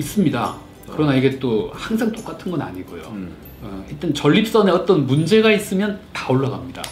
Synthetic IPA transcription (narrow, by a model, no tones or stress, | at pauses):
is͈ɯmɲida̰ | kɯɾʌnaiɡe̞t͈ohaŋsʰaŋt͈ok͈atʰɯnɡʌna̰ɲiɡojo̰ | it͈ent͡ɕʌʎːip̚s͈ʌne̞ʌt͈ʌnmund͡ʑe̞ɡais͈ɯmjʌntaoɭːaɡamɲida̰